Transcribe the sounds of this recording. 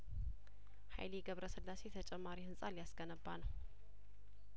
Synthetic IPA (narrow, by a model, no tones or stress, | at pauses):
ha̰jliɡəβɾəsɨlːase̞t̪ʰət͡ʃʼɛmːaɾihɨnsʼaljasɡənəbːanəw